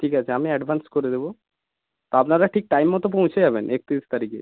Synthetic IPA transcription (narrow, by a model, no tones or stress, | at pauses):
ʈʰikat͡ɕʰeamiɛɖbʱanskoɾed̪ebo | t̪oapnaɾaʈʰik̚ʈajmːɔt̪op̬õw̃t͡ɕʰed͡ʑabenʔek̚t̪iist̪aɾikḛ